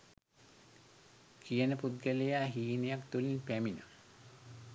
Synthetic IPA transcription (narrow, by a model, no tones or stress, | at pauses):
kijənəpud̪̚ɡəlejaːɦiːnejakt̪ulinpæminə̰